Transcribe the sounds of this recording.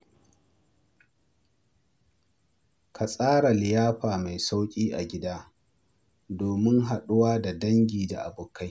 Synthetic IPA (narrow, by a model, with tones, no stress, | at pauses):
kʰa˨sʼaː˦ɽa˨lɪ˨jaː˦ɸaː˨ma˨jsa˦wkʲʼiː˦ʔa̰˨ɡʲɪ˦daː˦ | doː˨mɪ˦ŋɦa˨ɗʊ˦waː˦da˨dɐ˦ŋɡʲiː˨da̰˨ʔa̰˨bʊ˨ka˦j